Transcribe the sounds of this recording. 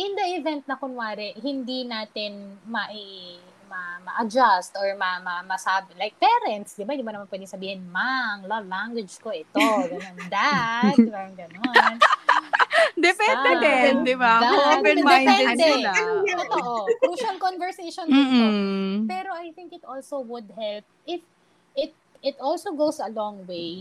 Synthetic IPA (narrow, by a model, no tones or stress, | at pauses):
ʔɪnd̪ɐʔɪvɛnt̪̚nɐkʊnwaːɾɪʔhɪnd̪inaːt̪ɪnmɐʔi | mɐmɐʔɐd͡ʒast̪ʔoɹmɐmɐmɐsaːbɪlajk̚pɛːɾɛnt̪sd̪ɪbaɪd̪ɪbɐnɐmanpwɛd̪ɪŋsɐbiːhɪnmaɐŋlɐlaŋɡwɛd͡ʒkoʔɪt̪oɡɐnond̪at̪aŋɡɐnon | d̪ɛpɛnɛd̪ɛɛd̪ɪbad̪amd̪ɛjpɛd̪ɛ | oʔokɾuːʃɐlkonvɛɹsejʃonopɛːɾoʔajθɪ̃ŋkɪt̪ʔolsowʊd̪̚hɛlp̚ʔɪf | ɪt̪̚ | ɪt̪ʔolsoɡowsɐlɔŋwej